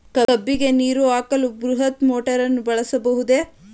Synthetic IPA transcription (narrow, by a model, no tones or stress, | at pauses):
kɐɐbːiɡe̞niːɾuaːkɐlubɾuɦɐt̪moːʈɐɾɐnːubɐɭɐsɐbɐɦud̪e̞